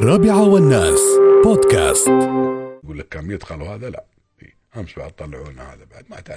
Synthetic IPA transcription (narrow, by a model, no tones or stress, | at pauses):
rˤɑːbɪʕawɪnːaːsboːd̪ka̰ːst̪ɡuːlːakːaːnbjɪd̪xaluhaːðala̰ʔ | fḭ | hamʃbaʕd̪̚t̪ˤːɑlːɪʕuːʔnaha̰ːðabaʕd̪maʔt̪aʕ